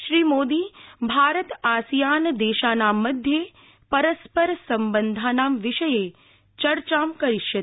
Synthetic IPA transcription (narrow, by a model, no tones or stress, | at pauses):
ʃɾiːmoːd̪ibʱaːɾət̪aːsijand̪eʃanaməd̪ʱje | pəɾəspəɾsəmbənd̪ʱanamʋɪʃəje | t͡ʃəɾt͡ʃamkəɾiʃət̪